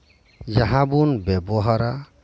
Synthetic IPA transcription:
d͡ʒaɦãbunbɛbɔɦaɾa

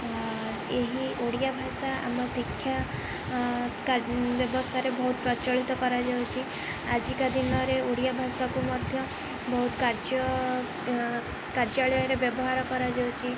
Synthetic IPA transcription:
eɦioɽijabʱasaa̰mɔsikʰːja | kabjɔbɔst̪ʰaɾebɔɦut̪̚pɾɔt͡ʃɔɭit̪ɔkɔɾad͡ʒawt͡ʃʰi | ad͡ʒikad̪inɔɾeoɽijabʱasakumɔd̪ʱjɔ | bɔɦut̪kaɾd͡ʒɔ | kaɾd͡ʒaɭɔjɔɾebjɔbɔɦaɾɔkɔɾad͡ʒɔwt͡ʃʰi

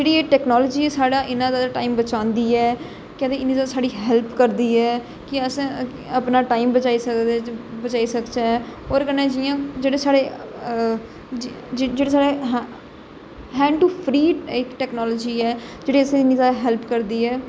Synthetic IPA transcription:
d͡ʒeːɽiːeʈɛːknɔːlːd͡ʒiːɛːsaːɽaːʔɪnãːzaːd̪aːʈaːimbət͡ʃãːnd̪iːɛː | kɛ̃ːd̪eɪniːzaːsaːɽiːɦɛlpkəɾd̪iːɛː | kɪəsẽ | əpnaːʈaːimbət͡ʃaːiːsəkd̪ebət͡ʃaːiːsəkt͡ʃaːɛɔːɾkənɛ̃ːd͡ʒijãːd͡ʒeːɽeːsaːɽeː | d͡ʒd͡ʒeːɽeːsaːɽeɦ | ɦɛ̃ːɳʈuːpʰɾiːɪkʈɛːknɔːloːd͡ʒiːɛːd͡ʒeːɽiːəsẽːɪniːzaːɦɛːlpkəɾd̪iːɛː

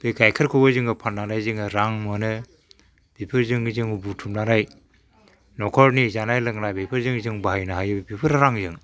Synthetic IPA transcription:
bɯjkʰajkʰɯɾkʰobazɯŋɯpʰannanajzɯŋɯɾaŋmonɯ | b̥ipʰɯɾzɯŋzɯŋubutʰumnanaj | nɔkʰɔɾnizanajlɯŋnajbipʰɯɾzɯŋzɯŋbahajnaɦajɯbbipʰɯɾaɾaŋzɯŋ

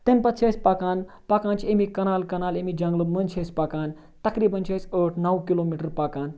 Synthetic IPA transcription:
t̪inpɐt̪t͡ʃʰɐsʲpɐkaːn | pɐkãːnt͡ʃʰiemikɐnaːlkɐnaːlemid͡ʒɐŋɡləmənt͡ʃʰɐspɐkaːn | t̪ɐkɾiːbɐnt͡ʃʰɐsəʈʰnɐwkiloːmiʈəɾpakaːn

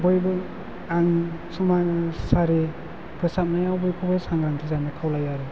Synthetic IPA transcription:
bɔjbɯ | aŋsumasaɾe | pʰɯsap̚najawbɔjkʰɔbɯsaŋɾaŋtʰizanɯkʰawlajaɾe

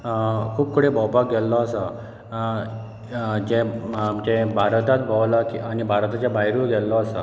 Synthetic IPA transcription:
kʰuːb̚kʰuɽebʱɔwpak̚ɡɛlːɔəsa | d͡ʑẽd͡ʑẽbʱaɾt̪at̪̚bʱəʋlakianibʱaɾt̪at͡ɕabaɦiɾuɡɛlːɔəsa

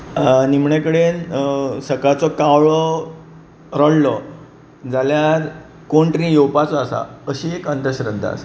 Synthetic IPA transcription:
nimɳekəɽensəkat͡sɔkawɭɔ | ɾəɽlɔ | d͡zaljaɾ | koɳʈɾĩjowpat͡sɔasa̰əɕiekənd̪əɕɾənd̪ʱa̰s

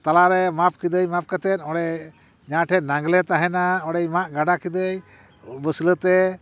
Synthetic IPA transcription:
t̪alaɾɛmap̚kid̪əjmap̚kat̪ɛt̪̚ɔɽɛ | ɲãʈʰɛt̪̚naŋɡlɛt̪aɦɛnaɔɽɛjmaʔɡaɖakid̪əj | bəslət̪ɛ

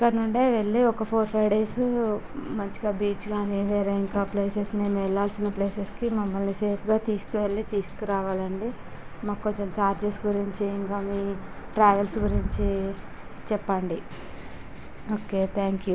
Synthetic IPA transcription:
kɐnuɳɖeːʋeɭːiɔkɐpʰoːɾpʰɾɐjɖe̞ːs | mɐɲt͡ʃiɡaːbiːt͡ʃɡaːniʋɛːɾeːiŋkaːple̞ːsesne̞ːnuɛɭːaːlsinːɐpleːseskimɐmːɐlniseːpʰɡaːt̪iːsu̥kuʋe̞ɭːit̪iːsu̥kiɾaːʋaːlɐɳɖimaːkkːoɲt͡ʃemt͡ʃaːɾd͡ʒesɡuɾiɲt͡ʃiiŋkaːmiːʈɾaːʋelsɡuɾiɲt͡ʃi | t͡ʃɛpːɐɳɖi | oːke̞ːt̪ʰaːŋkju

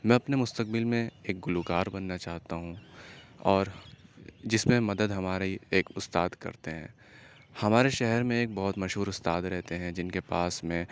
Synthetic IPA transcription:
mɛ̃ːɐpnemʊst̪ək̚bɪlmẽeːk̚ɡʊlukaːɾbɐnːat͡ʃaːɦt̪aɦũ | ɔːɾ | d͡ʒɪsmẽmɐd̪əd̪ɦɐmaːɾeieːkʊst̪aːd̪kɐ̰ɾt̪eɦɛ̰̃ː | hɐmaːɾeʃɛɦɛɾmẽeːk̚bɐɦʊt̪mɐʃɦuːɾʊst̪aːd̪ɾɛɦt̪eɦɛ̃d͡ʒɪnkepaːsmẽ

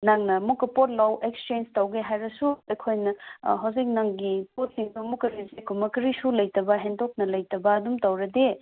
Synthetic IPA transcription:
naŋnɐmukːɐpot̚lawʔek̚st͡ʃend͡ʒtɐwɡeɦajɾɐsuɐjkʰojnɐɦɐwzik̚naŋɡipot̚siŋbɐmukːɐɾisekʰumɐkɐɾisulɐjtɐbɐɦendok̚nɐlɐjtɐbɐːdumtɐwɾɐde

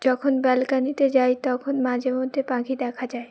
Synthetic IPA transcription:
d͡ʒɔkʰonbɛlkanit̪ed͡ʒaːet̪ɔkʰonmãd͡ʒʱemod̪ʱepãɡʱid̪ɛkʰad͡ʒaːe

